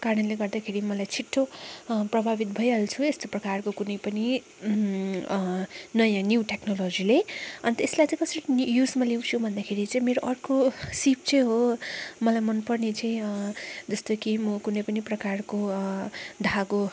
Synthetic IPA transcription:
kanʌnleɡʌrd̪akʰeɾimʌlajt͡sʰiʈʰːoprʌbʱabit̪̚bʱʌjʌlt͡sʰuest̪oprʌkarkokunʌjpʌni | nʌjãnjuwʈeknolod͡zileʌnit̪eslajt͡sãĩkʌsʌɾijusmalew̃t͡sʰubʱʌnd̪akʰeɾit͡saĩmeɾoʔʌrkosip̚t͡sʌj̃ɦomʌlajmʌnpʌrnet͡saĩd͡zʌst̪okimʌkunʌjpʌniprʌkarko | d̪ʱaɡo

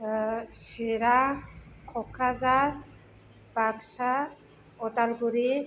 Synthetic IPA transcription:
ʃiɾakʰɔkʰɾaza | baɡʃa | ɔtalɡuɾi

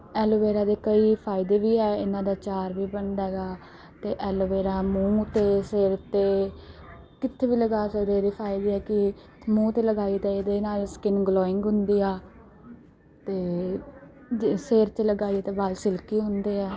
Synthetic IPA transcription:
ɛːloʋeːɾaːd̪eːkəiːpʰaːɪd̪eːʋiːɦɛːɪnãːd̪aːt͡ʃaːɾʋiːbəɳd̪ɛɡaː | t̪eːʔɛːloʋeːɾaːmũːt̪eːseːɾt̪eː | kɪt̪ʰːeːbiːləɡaːsəɾeːɾeːpʰaːɪd̪eːɦɛːkɪ | mũːt̪eːləɡaːiːt̪ɛːed̪eːnaːlskɪnɡlɔːɪŋɡɦʊnd̪iːaː | t̪eː | seːɾt̪eːləɡaːit̪eːbaːlsɪlkiːɦʊnd̪eːɛː

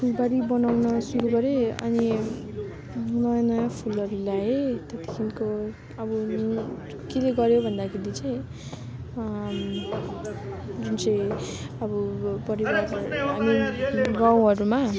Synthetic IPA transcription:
ppʰulbaɾibʌnawnʌsuɾuɡʌɾeʌ̰ni | nʌjanʌjapʰulʌɾulaet̪et̪i̥kʰinko | ʌbʌ | keleɡʌɾjobʱʌnd̪akʰeɾit͡sʌj̃ | d͡zunt͡sʌjʌbʌpʌɾibarɦamiɡaw̃ɦʌɾuma

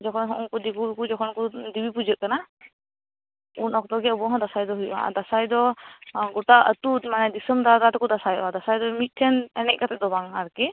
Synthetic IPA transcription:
d͡ʒɔkʰɔnɦɔʔɔŋkud̪iɡuɾkud͡ʒɔkʰɔnkud̪ibipud͡ʒət̪̚kana | unɔkʰd̪ɔɡɛəbɔɦɔ̃d̪asajd̪ɔɦuja̰d̪asajd̪ɔɡɔʈaət̪ut̪manɛd̪isəmd̪ad̪at̪kɔd̪asajɔad̪asajd̪ɔmit̪̚ˀt̪ʰɛnɛnɛc̚kat̪ɛd̪ɔbaŋaɾkɛ

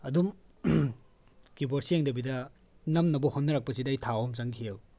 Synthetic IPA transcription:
ɐdum | kiboɾsieŋdɐbidɐ | nɐmnɐbɔhonːɐɾak̚pɐsidɐɐjtʰaomt͡ʃaŋkʰijew

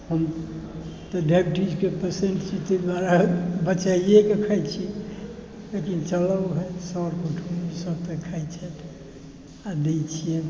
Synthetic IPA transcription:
həm | t̪ɔɖepʈid͡ʒkepəɾseɳʈt͡ʃʰit̪ed̪waɾabət͡ʃaiekekʰajt͡ʃʰi | lekint͡ʃələɦɛsɔɾkuʈʰumisəb̚t̪ekʰajt͡ʃʰɛt̪ʰ | ad̪et͡ʃʰijɛ

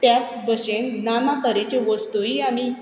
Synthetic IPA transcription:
t̪jat̪̚bəɕennamakəɾet͡ɕeʋəst̪uiami

